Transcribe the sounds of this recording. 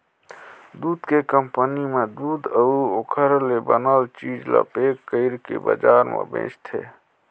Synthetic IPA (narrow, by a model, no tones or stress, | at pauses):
d̪uːd̪kekəmpənimed̪uːd̪əokʰəɾlebənəlt͡ʃid͡ʒla̰pekːəɪɾkḛbəd͡ʒaɾmḛbḛ̃t͡ʃt̪ʰḛ